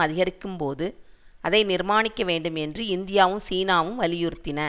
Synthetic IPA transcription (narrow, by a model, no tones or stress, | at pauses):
ɐðɪɣɐɾɪkːɯmpoːðɯ | ɐðɐɪnɪɾmaːnɪkːɐʋeːɳɖɯmɛndrɯɪnd̪ɪjaːʋɯmsiːnaːʋɯmʋɐlɪjʊɾɯt̪ːɪnɐ